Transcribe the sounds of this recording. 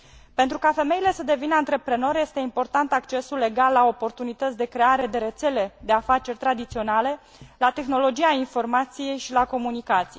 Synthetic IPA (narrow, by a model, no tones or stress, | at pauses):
pent̪ɾukafe̞me̞ile̞səd̪e̞vinəant̪ɾe̞pɾe̞no̞ɾje̞st̪e̞impo̞rt̪ant̪akt͡ʃe̞sulːe̞ɡalːao̞po̞rt̪unit̪ət̪sʲd̪e̞kɾe̞aɾe̞d̪e̞ɾe̞t̪se̞le̞d̪e̞afat͡ʃe̞rʲt̪ɾad̪it̪sio̞nale̞ | lat̪e̞xno̞lo̞d͡ʒiainfo̞rmat̪sije̞jʃilako̞munikat̪sij